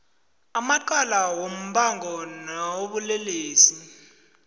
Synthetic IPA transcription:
amaǃalawom̩ɓaŋɡʱɔnawoɓulɛleːsi

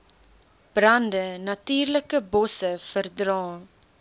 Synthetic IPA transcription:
b̥rɐndənɐtyːrləkəbɔsəfərdrɑː

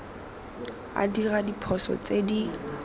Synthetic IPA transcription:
a̰diradipʰɔsɔ̰t͡sedi

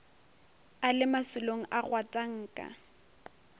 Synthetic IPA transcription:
alɪmasʊloŋ̩ʔaɣwatʼaŋ̩ːkʼa̰

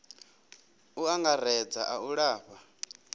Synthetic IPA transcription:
uaŋɡaɾɛd͡zaʔauɺaːɸa

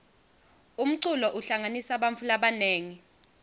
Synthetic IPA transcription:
um̩ǀulɔʔuɬaŋanisaɓaɱfʰulaɓaneːŋi

